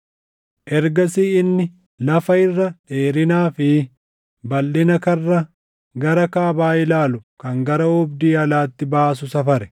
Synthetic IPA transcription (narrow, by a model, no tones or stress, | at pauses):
ʔɛɾɡɐsiːɪnːɪ | lɐfɐɪrːɐᶑeːɾɪnaːfɪ | bɐlːɪnɐkɐrːɐ | ɡɐɾɐkaːbaːɪlaːlʊkɐŋɡɐɾɐʊbd̪iːɐlaːt̪ːɪbaːs̬ʊsɐfɐɾɛ̥